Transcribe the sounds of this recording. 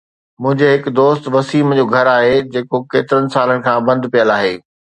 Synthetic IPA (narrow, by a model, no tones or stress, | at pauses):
mʊ̃ɦɪ̃ɲd͡ʑeɦɪkd̪oːst̪ʋɐsiːmd͡ʑoːɡʱɐɾaːɦed͡ʑeːkokeːt̪ɪɾənɪ̆saːlənɪ̆kʰãːbɐ̃nd̪ʱpijəlaːɦeː